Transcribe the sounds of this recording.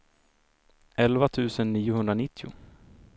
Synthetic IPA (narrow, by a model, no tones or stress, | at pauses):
ʔɛlvat̪ʰʉ̟ːsənːiːʊhɵnd̪ɾanɪt̪ʰːɪʊ̰